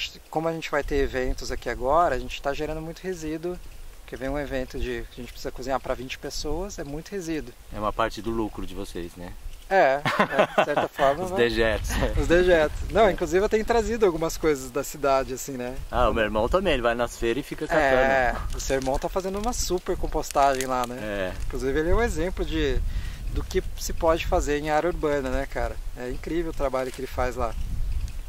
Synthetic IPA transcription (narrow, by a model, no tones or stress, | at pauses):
t͡ʃɪ̥kõmʊɐʒẽnt͡ʃɪvajt̪eɾevẽnt̪ʊzakiaɡɔɾɐɐʒẽnt͡ʃɪ̥t̪aʒeɾɐ̃nd̪ʊmũj̃t̪ʊhezid̪ʊpʊɾkevẽj̃ũevẽnt̪ʊd͡ʒɪɐʒẽnt͡ʃɪpɾ̥sizɐkuzĩɲapɾɐvĩnt͡ʃɪ̥pesoɐsɛmũj̃t̪ʊhezid̪ʊ | ɛ̰ũmɐpaɾt͡ʃɪd̪ʊlukɾʊd͡ʒɪvoseznɛɛ | sɛɾt̪ɐfɔɾmɐzvd̪eʒɛt̪ʊsɛʊzd̪eʒɛt̪ʊ̥snɐ̃w̃ĩŋkluzivɪet̪ẽj̃ʊt̪ɾazid̪ʊawɡũmɐskojzɐzd̪ɐsid̪ad͡ʒɪasĩnɛaʊmeweɾmɐ̃w̃t̪ɐ̃bẽj̃elɪvajnɐsfeɾɐɪfikɐaɛẽʊsewiɾmɐ̃w̃t̪afazẽnd̪ʊũmɐsupeɾkõpost̪aʒẽj̃lanɛɛĩkluzivɪelɪɛũezẽmplʊd͡ʒɪd̪ʊkɪsɪpɔd͡ʒɪfazeɾẽj̃aɾɐuɾbɐ̃nɐnɛkaɾɐɛĩkɾivewʊt̪ɾabaʎʊkɪelɪfajzla